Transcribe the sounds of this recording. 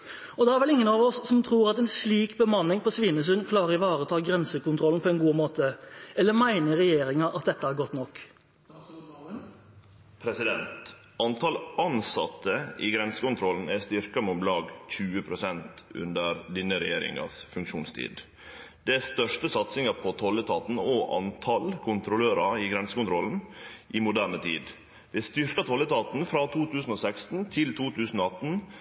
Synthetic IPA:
ɔd̪ɛæɾʋɛlɪŋːənɑːʋɔsːɔmt̪ʰɾuːɾɑt̪ɛnsliːkbəmɑnːɪŋpʰɔsʋiːnəs̬ʉnkʰlɑːɾəɾɪʋɑːɾəɔt̪ʰɑːɡɾɛnsəkʊnt̪ʰɾɔln̩pʰɔɛnɡuːmoːt̪ʰəɛlːəmæɪnəɾɛjeːɾɪŋɑʔɑt̪̚d̪ɛt̪ːəhæɾɡɔt̪nɔkː | pʰɾɛsɪd̪ɛnt̪ | ɑnt̪ʰɑlɑnsɑ̰t̪ːəiɡɾɛnsə̥kʊnt̪ʰɾɔln̩æst̪ɪɾkɑmʊt̪lɑːɡc͡çʉːəpʰɾʊsɛnt̪ʉ̰nd̪əɾd̪ɪnəɾɛjeːɾɪ̰ŋɑ̰sfʉŋkʂuːnst̪ʰḭːd̪ | d̪̥ɛæst̪œʂtəsɑt̪sɪŋɑpʰɔt̪ʰɔlət̪ʰɑːt̪n̩oʔɑ̰nt̪ʰɑlkʰʊnt̪ɾʊløːɾɑɪɡɾɛnsəkʊnt̪ʰɾɔln̩ʔɪmʊd̪æːɳət̪ʰḭːd̪ | ʋ̪ɛst̪ʏɾkɑt̪ʰɔlːət̪ʰɑːt̪n̩fɾɑːt̪ʰuːt̪ʉːsn̩osækst̪n̩t̪ʰɪlt̪ʰuːt̪ʰʉːsn̩oːɑt̪n̩

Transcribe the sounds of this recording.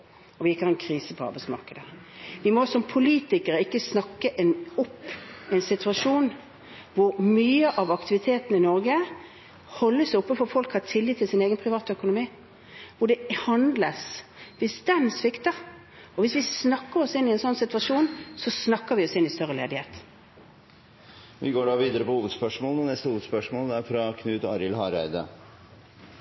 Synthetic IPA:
ɔʋɪɪkːəhɑɾʁɛnkʰɾiːsəpʰɔɑ̰ɾbæɪtsmɑ̰ʁkəd̪əʋɪmɔsɔmpʰʊliːt̪ɪkəɾəɪkːəsnɑkːəʔɛnɔpːɛɪnsɪt̪ʰʉɑʂuːn | ʋʊɾmyːəʔɑʋɑkt̪ɪʋɪt̪ʰeːt̪ən̩əɪnɔɾɡə | hɔlːəsɔpːəfɔɾfɔlkhɑɾt̪ʰɪlːiːt̪ʰːɪlsɪneːɡənpʰʁɪʋɑːt̪œkʊnʊmiː | ʋʊɖɛhɑnd̪ləsʋɪsd̪ɛnsʋɪkt̪ə | ɔʋɪsʋɪsnɑkːəɾɔsɪnːɪɛnsɔnːsɪt̪ʋɑʂuːnsɔsnɑkːəʋɪɔsɪnːɪst̪œʁəlḛːd̪ɪheːt̪ | ʋɪɡoːɖɑːʋiːd̪əɾəpɔhuːʋəd̪spœʂmoːləɔnɛst̪əhuːʋəd̪spœʂmoːld̪ɛæɾfɾɑkʰnʉːt̪ɑːɾɪlhɑːɾæ̰ɪd̪ə̰

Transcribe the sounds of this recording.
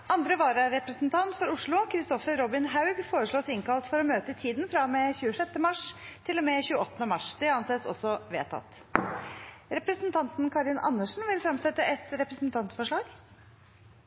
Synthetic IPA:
ɑnd̪ɾəʋɑːɾɑɾɛpɾəsn̩t̪ʰɑnt̪fɔɾʊʂɭʊkʰɾɪst̪ɔfəɾːɔbɪnɦaʉɡfoːɾəʂɭoːsɪŋkɑlt̪fɔɾɔmøːt̪ət̪ʰiːd̪nfɾɑmɛçʉːəʂɛt̪ːəmɑʂt̪ʰɪlːɔmɛçʉːəɔt̪ːənəmɑʂd̪ɛɑnseːsɔ̰sːɔʋḛːt̪ʰɑ̰t̪ː | ɾɛpɾəsnt̪ʰɑnt̪nkʰɑɾɪnʔɑ̰nːəʂn̩ʋɪlfɾɑmsɛt̪ːəʔɛt̪ɾɛpɾəsn̩t̪ʰɑnt̪fɔʂɭɑːɡ

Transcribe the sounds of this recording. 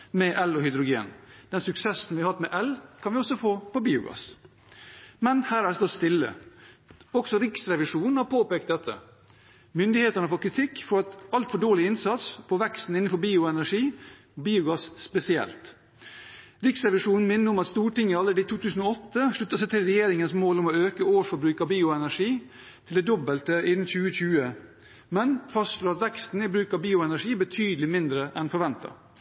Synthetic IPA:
mɛʔɛlɔhʏd̪ɾʊɡḛːnd̪̥ɛnsʉksɛsn̩ʋɪɑhɑt̪mɛʔɛlkʰɑnʋɪɔsɔfoːpɔbiːʊ̰ɡɑ̰s | mɛnhæːɾæɖɛst̪ɔst̪ɪlːə̰ | ɔksɔɾɪksɾɛʋɪʂuːnn̩hɑɾpʰoːpeːk̚t̪d̪ɛt̪ʰːə̰ | mʏnd̪ɪheːt̪ɑɳəfɔɾkʰɾɪt̪ʰɪkːfoːɾɑt̪ɑlt̪fɔɖoːɭɪɪnsɑt̪spʰɔʋɛkst̪n̩ɪnːəfɔɾbiːʊɛnæʂiː | biːʊɡɑssːpɛsɪɛ̰lt̪ | ɾɪksɾɛʋɪʂuːn̩mɪnːəʊmɑt̪st̪uːʈɪŋːəɑlːəɖiːt̪ʰuːt̪ʰʉːsn̩oɔt̪ːəʂɭʉt̪ːəsɛt̪ʰɪlɾɛjeːɾɪŋənsmoːlʊmoøːkəoːʂfɔɾbɾʉːkɑʋbiːʊɛnæʂiː | t̪ʰɪld̪ɛːd̪ɔbəlt̪əɪd̪n̩çʉːəçʉːə | mɛnfɑst̪ʂloːɾɑt̪ʋɛkst̪n̩ɪbɾʉːkɑbiːʊɛnæʂiːbət̪ʰyːd̪lɪmɪnd̪ɾəʔɛnfɔɾʋɛnt̪ɑ̰

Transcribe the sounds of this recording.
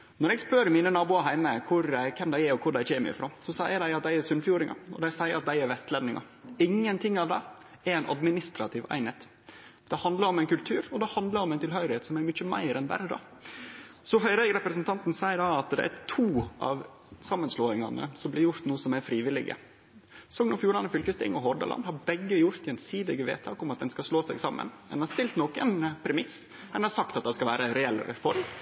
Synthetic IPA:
nɔɾɛɡspøɾmiːnənɑːbuːɑɾɦæɪməkʰʊɾækʰɛmd̪æɪæɾɔkʰʊɖæɪçeːmə̰ɾɪ̰fɾo̰ːsɔsæɪəd̪æɪɑt̪̚d̪æɪæɾsʉnfjuːɾɪŋʔɑ̰ɔ̰d̪æɪsæɪəɾɑt̪̚d̪æɪæɾʋɛst̪lɛnnɪŋɑ̰ɾ | ɪŋːənt̪ʰɪŋːɑʋd̪æɪ | æɾæɪnʔɑ̰d̪mɪnɪst̪ɾɑt̪ʰɪʋæ̰ɪneːt̪ | d̪̥ɛhɑnd̪lɑɾɔmæɪnkʉlt̪ʰʉːɾɔd̪ɛhɑnd̪ləɾɔmæɪnt̪ʰɪlɦœʏɾɪheːt̪sɔmæɾmʏt͡ʃːəmæ̰ɪɾɛnbæ̰ɾəd̪ɑ̰ː | sɔɦœɪɾæɪɡəɾɛpɾəsənt̪ɑnt̪n̩sæɪəɖɑɑt̪d̪ɛ̰ʔæ̰t̪ʰuːʔɑ̰ʋ | sɑmːənsloːɪŋɑ̰nə̰sɔmblɪɾjʊɾt̪nuːəsɔmæɾfɾiːʋɪlɪ̰ɡə̰ | sɔŋnɔfjuːɾɑnəfʏlkəst̪ḛːŋɔɦɔɾɖ̪ɑ̰lʔɑ̰nd̪hɑɾbɛɡːəjʊɾt̪jɛnsiːd̪ɪɡəʋḛːt̪ʰɑ̰ːkɔmɑt̪̚d̪ɛnskɑʂloːsæɪɡsɑmːə̰nmɛ̰nhɑst̪ɪlt̪nɔkənpʰɾɛmɪs | ɛnhɑsɑk̚t̪ɑt̪̚d̪ɑskɑlʋæːɾəɾɛɛlːɾɛ̰fɔɾm

